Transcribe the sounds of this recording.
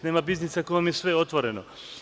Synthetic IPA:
neːmabiznisakoamjesʋe̞o̞t̪ʋoɾeno

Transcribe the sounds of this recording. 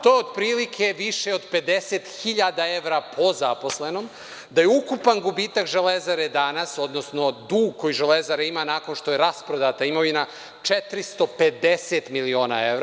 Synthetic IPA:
t̪o̞jod̪pɾiːlikʰeʋiʃeod̪pe̞d̪eset̪xiʎad̪ae̞ʋɾapʰo̞zapo̞slenom | d̪ajeukupanɡubiːt̪akʒelezaɾed̪anaso̞d̪nosno̞d̪uːɡko̞jiʒelezaɾeimanaːko̞nʃt̪ojeɾaspɾod̪at̪aimoʋina | t͡ʃet̪ɾist̪o̞ped̪eset̪milio̞ːna̰eʋɾ

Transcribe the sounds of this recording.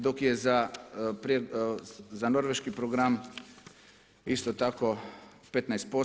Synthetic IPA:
d̪okjɛzapɾe | zanoɾʋeʃkipɾoɡɾam | ist̪ot̪ako | pet̪najst̪̚po

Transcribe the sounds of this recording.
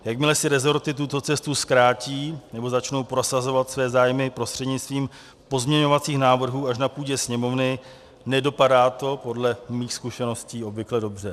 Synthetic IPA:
jakmɪlɛsɪɾɛzo̞ɾt̪ɪt̪̬ut̪o̞t͡sɛst̪uskɾaːciːnɛbo̞zat͡ʃno̞wpɾo̞sazo̞vat̪svɛːzaːjmɪpɾo̞st̪r̥ɛdɲɪt͡sst̪viːm | po̞zmɲɛɲo̞vat͡siːxnaːvr̩ɦuːaʃ̬napuːɟɛsɲɛmo̞vnɪ | nɛdo̞padaːt̪o̞po̞dlɛmiːxskuʃɛno̞sciːo̞bvɪklɛdo̞br̝ɛ

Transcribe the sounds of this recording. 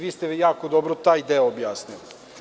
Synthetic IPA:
ʋiːst̪eʋjaːkod̪obɾot̪aːjd̪eoobjaːsnili

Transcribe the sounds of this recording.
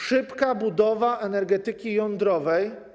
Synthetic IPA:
ʂɘpkabud̪ɔvaʔɛnɛɾɡɛt̪ɘkʲijɔnd̪ɾɔvɛj

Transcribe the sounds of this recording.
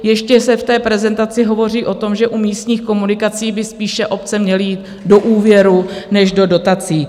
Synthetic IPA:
jɛʃcɛsɛft̪ɛːpɾɛzɛnt̪at͡sɪɦo̞vo̞riːʔo̞t̪o̞mʒɛʔumiːst̪ɲiːxko̞munɪkat͡siːbɪspiːʃɛʔo̞p̚t͡sɛmɲɛlɪjiːt̪ | do̞ʔuːvjɛɾunɛʃdo̞do̞t̪at͡siː

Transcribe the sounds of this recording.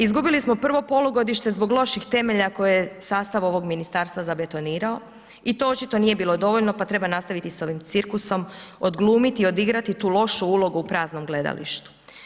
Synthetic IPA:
izɡubilismo̞pr̩ʋo̞po̞luɡo̞d̪iʃt̪e̞zbo̞ɡlˠo̞ʃixt̪e̞me̞ʎako̞jejesaːst̪aʋo̞ʋo̞ɡminist̪aːɾst̪ʋazabe̞t̪o̞niːɾao̞ | it̪o̞o̞t͡ʃit̪o̞niːje̞biːlˠo̞d̪o̞ʋo̞ʎno̞pat̪ɾe̞banast̪aʋit̪iso̞ʋimt̪siɾkuso̞mo̞d̪ɡlˠuːmit̪iio̞d̪iɡɾat̪it̪uːlˠo̞ʃuulˠo̞ɡuupɾaːzno̞mɡle̞d̪a̰lḭʃt̪u̥

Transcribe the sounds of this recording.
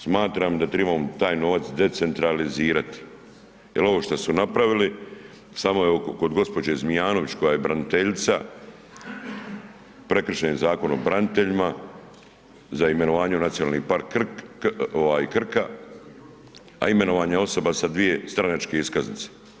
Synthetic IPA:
smaːt̪ɾamd̪at̪ɾebamt̪aːjno̞ʋat̪sd̪e̞t̪se̞nt̪ɾaliziːɾat̪i̥ | jelo̞ʋoʃt̪asunapɾaʋili | samo̞jeokko̞d̪ɡo̞spo̞d͡ʑezmijaːnoʋit͡ɕko̞jaːjebɾanit̪e̞ʎt̪sa | pɾe̞kr̩ʃenezaːko̞nobɾanit̪e̞ʎima | zaime̞no̞ʋaːɲeunat̪sijonaːlnipaɾk | oʋaːjkr̩ka | a̰ime̞no̞ʋaːɲeo̞so̞basad̪ʋije̞st̪ɾanat͡ʃke̞iskaznit̪se̥

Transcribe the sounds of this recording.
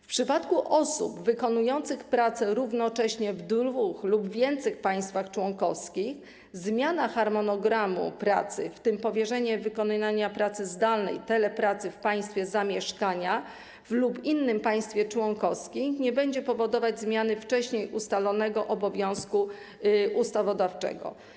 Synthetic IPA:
fpʂɘpat̪kuʔɔsṵbvɘkɔnujɔnt̪sɘxpɾat̪sɛɾuvnɔt͡ʂɛɕɲɛvd̪vuxlubvʲjɛnt̪sɛxpaj̃st̪faxt͡ʂwɔŋkɔfskʲix | zmʲjanaxaɾmɔnɔɡɾamṵpɾat̪sɘ̰ft̪ɘmpɔvʲjɛʐɛɲɛvɘkɔnaɲapɾat̪sɘzd̪alnɛ̰jt̪ɛlɛpɾat̪sɘfpaj̃st̪fʲjɛzamʲjɛʂkaɲa | vlupinːɘmpaj̃st̪fʲjɛt͡ʂwɔŋkɔfskʲimɲɛbɛɲd͡ʑɛpɔvɔd̪ɔvad͡ʑzmʲjanɘft͡ʂɛɕɲejʔust̪alɔnɛɡɔʔɔbɔvʲjɔ̃w̃sku | ʔust̪avɔd̪aft͡ʂɛ̰ɡɔ̰

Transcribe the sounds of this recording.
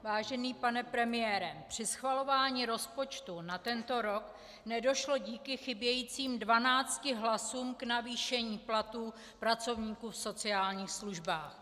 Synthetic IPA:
vaːʒɛniːpanɛpɾɛmɪjɛːɾɛpr̝̥ɪsxvalo̞vaːɲiɾo̞spo̞t͡ʃt̪unat̪ɛnt̪o̞ɾo̞k | nɛdo̞ʃlo̞ɟiːkɪxɪbjɛjiːt͡siːmdvanaːt͡st̪cɪɦlasuːmknaviːʃɛɲiːplat̪uː | pɾat͡so̞vɲiːkuːfso̞t͡sɪaːlɲiːxsluʒbaːx

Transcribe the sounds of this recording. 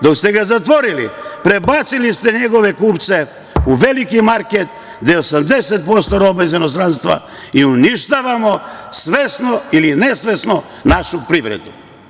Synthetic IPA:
d̪o̞kst̪eɡazat̪ʋo̞ɾilḭpɾebat̪silist̪eɲeɡo̞ʋe̞kuːpt̪se | uʋe̞likimaɾket̪ | d̪eosamd̪eset̪̚po̞st̪oɾo̞baizinost̪ɾanst̪ʋa̰ | iuniʃt̪aʋamo̞sʋesnoilinesʋe̞sno | naʃupɾiʋɾḛd̪ṵ

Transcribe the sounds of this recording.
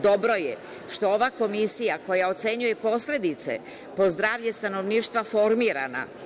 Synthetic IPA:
d̪o̞bɾo̞je | ʃt̪o̞oʋako̞misijako̞jao̞t̪se̞ɲuje̞po̞sle̞d̪it̪se̞̰ | po̞zd̪ɾaːʋʎe̞st̪ano̞ʋniːʃt̪ʋafo̞ɾmiːɾa̰na̰

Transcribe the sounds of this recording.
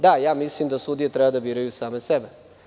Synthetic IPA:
d̪ajaːmislimd̪asud̪ijet̪ɾɛbad̪abiːɾajusaːmesebe

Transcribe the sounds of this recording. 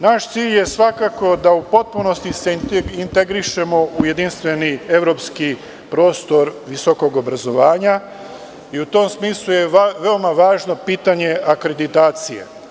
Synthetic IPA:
naʃt̪siːʎje̞sʋakako̞d̪aupo̞t̪̚puno̞st̪iseint̪e̞ɡɾiʃe̞mo̞ʔuje̞d̪inst̪ʋe̞nie̞ʋɾo̞pski | pɾo̞ːst̪o̞ɾʋisoko̞ɡo̞bɾazo̞ʋaːɲa | iut̪o̞msmiːslˠuje̞ʋe̞omaʋaːʒno̞piːt̪aɲe̞ʔakɾe̞d̪it̪aːt̪sijḛ

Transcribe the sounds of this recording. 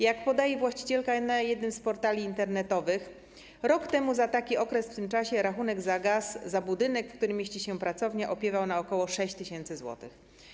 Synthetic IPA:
jakpɔd̪ajɛvwaɕt͡ɕi̥t͡ɕɛlkanajɛd̪nɘmspɔɾt̪alʲiːnt̪ɛɾnɛt̪ɔvɘx | ɾɔkt̪ɛmuzat̪akʲiɔkɾɛsft̪ɘmt͡ʂaɕɛɾaxunɛɡzaɡasːabud̪ɘnɛkfkt̪uɾɘmʲjeɕt͡ɕiɕɛpɾat̪sɔvɲɛʔɔpʲjɛvawnaɔkɔwɔʂɛɕt͡ɕt̪ɘɕɛnt̪sɘzwɔ̰t̪ɘ̰x

